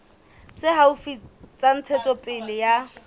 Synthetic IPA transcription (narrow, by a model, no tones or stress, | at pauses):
t͡sʼɪɦaufit͡sʼan̩t͡sʰɛt͡sʼɔpʼɪlɪja